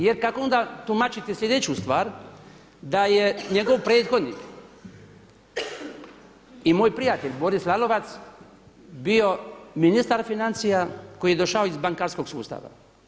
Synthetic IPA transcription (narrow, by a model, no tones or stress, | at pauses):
jeɾkakoo̞nd̪at̪umat͡ʃit̪isʎʲe̞d̪e̞t͡ɕust̪ʋaːɾ | d̪ajeɲe̞ɡo̞ʋpɾe̞ːt̪xo̞d̪niːk | imoːjpɾijat̪e̞ʎʲbo̞ɾislˠalo̞ʋat̪s | bio̞minist̪aɾfinant̪sijako̞jijed̪o̞ʃaoizbaŋkaːɾsko̞ɡsṵːst̪a̰ʋa̰